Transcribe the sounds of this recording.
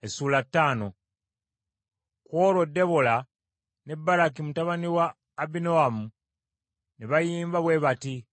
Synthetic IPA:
esuːlatːaːno̞ | kwo̞ɾo̞dːe̞βola | ne̞bːaɾakimutaβaniwaː | bino̞amu | neβajiːmbaβwe̞βati

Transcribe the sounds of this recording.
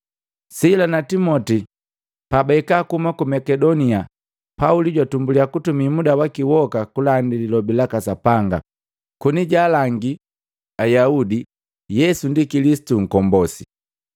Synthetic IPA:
silanatimɔti | pabaikakumakumakɛdɔnia | pauliɟwatumbuliakutumimudawakiwɔkakulandililɔbilakasapaŋɡa̰ | kuniɟaːlaŋɡi | ajaudi | jɛsundikilisi̥tuŋ̩kɔmbɔsi̥

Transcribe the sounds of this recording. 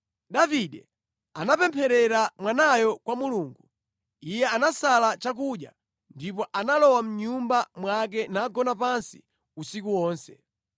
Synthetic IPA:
ɗaviɗɛ | anapɛmpʰɛɾɛɾamwanajɔkwamuluːŋɡu | ijɛanasalat͡ʃak̬uɗja̰ | ndip̬ɔʔanalɔwam̩ɲumbamwak̬ɛnaɡɔnapansi̥ | usikuwɔːnsɛ

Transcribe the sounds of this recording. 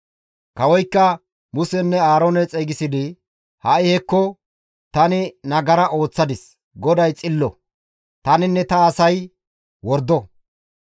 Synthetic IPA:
kɐwɔjkːɐ | mʊsɛnːɛaːɾonɛt͡sʼɛɡɪsɪd̪ɪ | hɐʔɪhɛkːɔ | t̪ɐnɪnɐɡɐɾɐʔo̞ːt͡sːɐd̪ɪs | ɡɔd̪ɐjt͡sʼɪlːɔ | t̪ɐnɪnːɛt̪ɐːsɐj | wɔɾd̪ɔ

